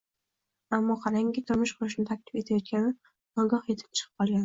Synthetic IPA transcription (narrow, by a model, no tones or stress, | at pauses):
amːɒqʰɑɾaŋɡʲɪt̪ʰʊɾmɪʃqʰʊʊʃnɪt̪ʰak̚ʲlɪ̥fe̞t̪ʰajɒt̪̚kʲanɪ | ɒɡʲɒqje̞t̪ʰɪ̥p̚t͡ʃʰɨ̥qʰɨ̥p̚qɒlˠɡʲanɪ